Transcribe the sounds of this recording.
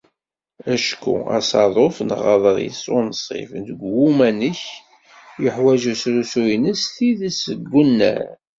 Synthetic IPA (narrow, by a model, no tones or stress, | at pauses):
æʃkṵɑ̰sɑðˤofnʁɑðˤəɾˤjə̰sˤːonəsˤḭfnd̪əɡwumænəç | jəħwæʒusɾusujnəsθiðəsəɡːunːæ̰ɾ